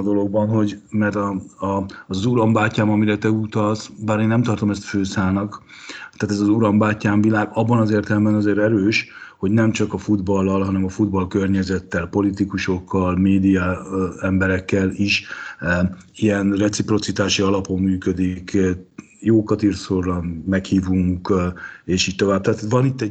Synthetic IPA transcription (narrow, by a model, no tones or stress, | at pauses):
d̪o̞lo̞ɡbɒnɦo̞ɟmɛrt̪ɒ | zuɾɒmbaːcːaːmɒmiɾɛt̪ɛut̪ɒlsbaːɾeːnːɛmt̪ɒrt̪o̞mɛst̪føːsaːlnɒk | t̪aːt̪ɛzɒzuɾɒmbaːcːaːɱvilaːɡɒbːɒnɒzeːrt̪ɛlɛmbɛnɒzeːɾɛɾøːʃho̞ɟnɛmt͡ʃɒkɒfud̪bɒlːɒlɦɒnɛmɒfud̪bɒlkørɲɛzɛt̪ːɛlpo̞lit̪ikuʃo̞kːɒlmeːd̪ijɒɛmbɛɾɛkːɛliʃ | ijɛnrɛt̪sipro̞t̪sit̪aːʃiɒlɒpo̞mːyːkød̪ik | joːkɒt̪iːrsorːɒmɛkhiːvuŋkeːʃiːc̚t̪o̞vaːb̚t̪aːt̪ʋɒnit̪ːɛ